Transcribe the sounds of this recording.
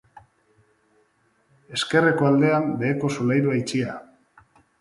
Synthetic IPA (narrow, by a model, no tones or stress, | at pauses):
e̞ske̞re̞ko̞ald̪e̞anb̪e̞ːko̞solajɾuait͡ʃia